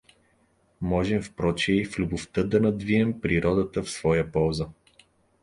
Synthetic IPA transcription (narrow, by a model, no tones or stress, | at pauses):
mɔʒɛmfpɾɔt͡ʃɛiflʲubʊft̪ɤd̪ɐnɐd̪viɛmpɾiɾʔɔd̪ət̪əfsvɔjəpɔlˠzə